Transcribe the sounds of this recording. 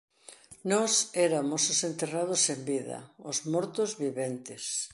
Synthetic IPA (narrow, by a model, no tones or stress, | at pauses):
nɔsɛɾamʊsʊsent̪erað̞ʊsembiðɐ̰ʊzmɔɾt̪ʊzβiβent̪ɪs